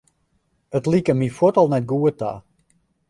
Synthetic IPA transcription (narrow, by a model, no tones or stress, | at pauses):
ətlikəmifwotɔlˠnɛt̚ɡuəta̰